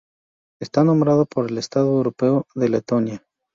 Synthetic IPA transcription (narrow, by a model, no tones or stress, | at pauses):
est̪anõ̞mbɾað̞opoɾe̞lest̪aðoewɾo̞peoðe̞let̪o̞nja